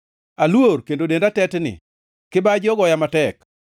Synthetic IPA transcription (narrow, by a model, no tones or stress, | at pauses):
alworkendodendatɛtnɪ̰ | kɪbad͡ʒɔɡɔjamatɛk